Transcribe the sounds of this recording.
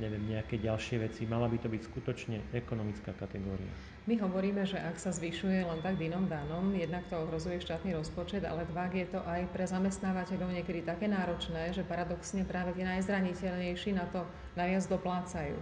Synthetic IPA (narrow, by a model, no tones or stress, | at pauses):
ɲɛʋɛmɲɛakɛɟalʃɪɛʋɛt͡simalabit̪ɔbicskut̪ɔt͡ʃɲɛɛkɔnɔmit͡skaːkat̪ɛɡɔːɾḭa̰ | miɦɔʋɔɾiːmɛʒɛʔaksazʋiʃujɛlɛnt̪aɡd̪inɔmd̪anɔmjɛd̪nakt̪ɔɔɦɾɔzujɛʃt̪aːt̪niːɾɔspɔt͡ʃɛd̪a̰lɛd̪ʋaɡjɛt̪ɔʔajpɾɛzamɛst̪naːʋacɛʎɔʊɲɪɛkɛd̪it̪akɛːnaːɾɔt͡ʃnɛːʒɛpaɾad̪ɔksɲɛpɾaːʋɛt̪ɛnajzɾaɲicɛʎɲɛjʃinat̪ɔ | najʋɪad͡zd̪ɔplaːt͡sajṵː